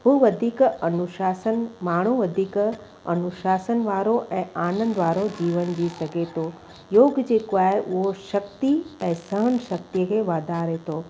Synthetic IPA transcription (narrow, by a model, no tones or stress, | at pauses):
ɦuːʋɐd̪ʱiːkɐnʊʃaːsənmaːɳ̤uʋɐd̪ʱiːk | ɐnʊʃaːsənʋaːɾoʔɛ̃ːaːnə̃nd̪ʋaːɾod͡ʑiːʋənd͡ʑisɐɡʱet̪ʰoː | joːɡd͡ʑeːkoaːeʔʊɦoʃɐkt̪iɛ̃ːsɐɦənʃɐk̚t̪iəkʰeːʋaːd̪ʱaːɾet̪ʰoː